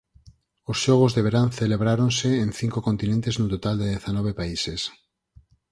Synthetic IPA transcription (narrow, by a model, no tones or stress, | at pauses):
osʃɔɣ̞ozðeβ̞eɾanθeleβɾaɾonsẽːnθiŋkokont̪inẽnt̪eznot̪ot̪ald̪eðeθanɔβ̞epaises